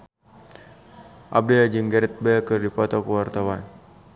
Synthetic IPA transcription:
ʔa̰b̚dəad͡ʒəŋɡəɾɛt̪̚bəkərdipɔt̪ɔkəwart̪awan

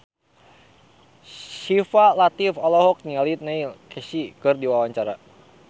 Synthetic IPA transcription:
ʃifalat̪ifɔlɔɦɔk̚nialit̪̚nailkɛsikɨrdiwawaɲt͡ʃaɾa

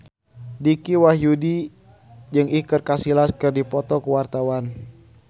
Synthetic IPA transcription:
dikiwaɦjudi | d͡ʒɨŋikɨrkasilaskɨrdipɔt̪ɔkəwart̪awan

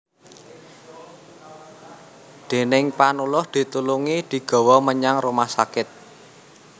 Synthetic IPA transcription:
d̪̥e̤nɪŋpanulʊhd̪̥i̤t̪uluŋid̪̥i̤ɡ̥ɔ̤wɔməɲaŋrumahsakɪt̪̚

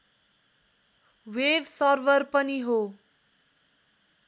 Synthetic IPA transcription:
websʌrbʌrpʌniɦo

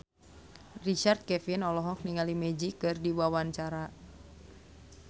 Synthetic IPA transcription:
rit͡ʃart̪̚kɛfinɔlɔɦɔk̚niŋalimɛd͡ʒikɨrdiwawanɲt͡ʃaɾa

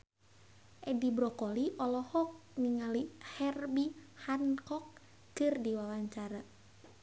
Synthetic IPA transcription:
ʔɛdibɾɔkɔliʔɔlɔhɔk̚niŋalihɛrbihankɔk̚ː | ɨrdiwawaɲt͡ʃaɾa

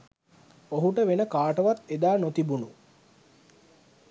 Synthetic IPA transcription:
oɦuʈəʋenəkaːʈəʋat̪ed̪aːnot̪ibunu

